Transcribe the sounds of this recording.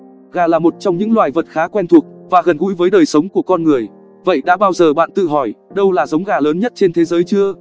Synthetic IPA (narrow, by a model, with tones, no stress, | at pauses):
ɣaː˨˩laː˨˩mo˨˩t̚t͡ɕɔ˧wŋ͡mɲɨ̰˧˥ŋlwaː˨˩jvə˨˩t̚xaː˨˦kwɛ˧nt̪ʰu˨˩ək̚vaː˨˩ɣə˨˩nɣṵ˧˥jvəː˨˦jɗəː˨˩jsə˨˦wŋ͡mku˧˩əkɔ˧nŋɨ˨˩əj | və̰˧˨jɗa̰ː˧˥ɓaː˧wzəː˨˩ɓa̰ː˧˨nt̪ɨ̰˧˨ɦɔ˧˩jɗə˧wlaː˨˩zə˨˦wŋ͡mɣaː˨˩ləː˨˦nɲə˦˥t̚t͡ɕe˧nt̪ʰe˨˦zəː˨˦jt͡ɕɨ˧ə